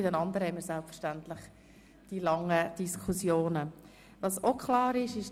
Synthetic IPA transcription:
ɪdənɑnd̪əɾəhɛɪmiːɾsɛlpfəɾʃtænt̪lɪχ | d̥iːlɑŋːəd̥iskʰusjoːnə | ʋɑsokʰlɑːɾɪʃɪʃ

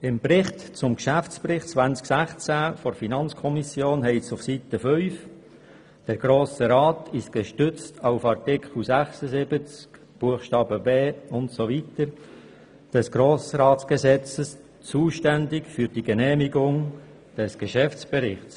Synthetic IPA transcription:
ɪmprɪχtt͡sʊmkʃæft͡sprɪχtt͡svænt͡sksæχt͡sæfɔɾfinɑnt͡skʰɔmisjoːnɦɛɪsʊfsit̪əfœʏf | d̥ɛɾɡ̥ɾoːsəɾɑːtʰɪʃɡ̥əʃtʏt͡stʰɑʊfɑrtɪkʰχl̩sæχsəzɪbət͡sk | b̥uəχʃtɑːbəbeːʊntsovitəɾ | d̥ɛsɡ̥ɾoːsɾɑːtsɡ̥əzɛt͡səs | t͡suːʃtændɪkfyɾd̥iɡənɛːmiɡʊŋ | d̥ɛsɡ̥əʃɛft͡sb̥əɾɪχs

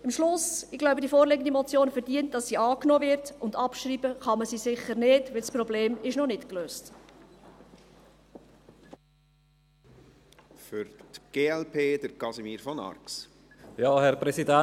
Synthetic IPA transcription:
ɪmʃlʊsɪɡlaʊbədifoːɾlɪɡən̩dimɔt͡sjoːnfɛɾd̥iənt̚d̥ɑsːiːʔɑːknoːvɪrtʊndɑpʃriːbəχɑməsiːsɪχəɾnɪtʋɪlsprɔbleːmɪʃnɔnɪtkløːst | fʏɾtɡ̥eːɛlpʰeːd̪əɾkɑsimiːɾfɔnɑ̰ɾks | jɑːhɛɾpɾɛsidæ

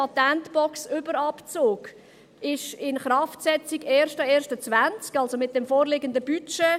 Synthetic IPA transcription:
ɑt̪ɛntb̥ɔksʏbəɾɑpt͡soːk | ɪʃɪnχrɑftsɛt͡siɡɛːɾʃtəɛːɾʃtət͡svænt͡skɑlsomɪt̚d̥ɛmfoːɾlɪɡəndəb̥yt͡ʃɛ

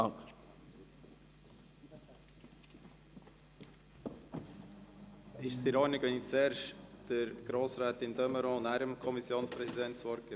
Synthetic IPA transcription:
ɪʃsiɾɔnɪɡʋɛnit͡sɛːɾʃd̥əɾɡ̥ɾoːsɾæːt̪ɪnd̪œməɾɔ̃ːnæːɾəmkʰɔmisjoːnspɾɛsid̪ɛntsʋɔɾkə

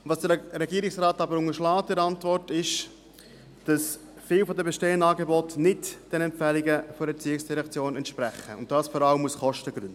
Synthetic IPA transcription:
vɑsd̥əɾɛɡiəɾɪksrɑːtɑbəɾʊŋəɾʃlɑːtdɪɾɑntvɔrtɪʃ | d̥ɑs | fɪːlfɔdəbeʃteːənɑːɡebɔtnɪtd̥ɛnɛmpfɛliɡəfɔɾɛt͡siːɪksd̥iɾɛkt͡sjoːnɛntʃpɾæχəʊ̰nt̚d̥ɑːsfɔɾɑləmːuəsχɔʃtəɡɾʏnd̥

